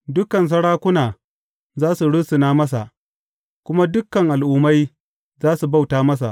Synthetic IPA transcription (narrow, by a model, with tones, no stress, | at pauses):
dʊ˦kɐ˨ns̬ɐ˦ɽaː˦kʷʊ˦naː˨ | zaː˦su˨ɽʊ˦sɪ˨naː˦mɐ˦s̬a˨ʔ | kʷʊ˦ma˦dʊ˦kːɐ˨ŋʔa˨lʔuː˦ma˦j | zaː˦su˨ba˦˨wtaː˦mɐ˦s̬a̰˨ʔ